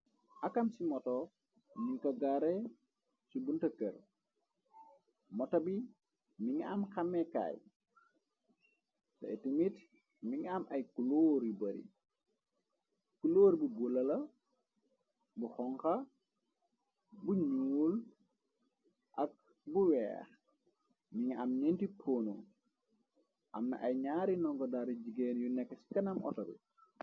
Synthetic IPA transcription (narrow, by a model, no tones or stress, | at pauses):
ʔɐkamsimɔtɔ | miŋkɐɡaɾe | sibuntɐkə̰ɾ | mɔtɐbi | miŋamxamːeka̰ːj | tɐ̰itimit | miŋamʔɐjkuloːɾjubɐɾḭ | kuloːɾbuɡulɐlɐ | buxɔŋkɐ | buɲul | ʔɐk̚ | buwɛ̰ːx | miŋɐmnintipʰoːnu | ʔɐmnɐ̰ʔɐjɲaːɾinɔŋkɔdaɾid͡ʒiɡeːnjunɛkːəsi̥kɐnɐmʔɔ̰tɐl̰